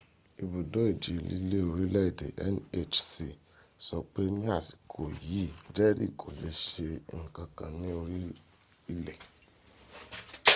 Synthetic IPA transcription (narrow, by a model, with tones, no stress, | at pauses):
i˧bu˨do˦i˦˨d͡ʒi˨i˨lḭ˦le˦o˧ɾi˦lɛ˦i˦˨dḛ˨ʔɛ̰˦ne˦t͡ʃsi˨ | sɔ˨k͡pe˦nĩ˦a˦˨si̥˨kʰo˨ji˨˦d͡ʒɛ˦ɾḭ˦˨kʰo˨le˨˦ʃe˧ŋ̩˨kã˧kã˧nĩ˦o˧ɾi˦ | i˧le˨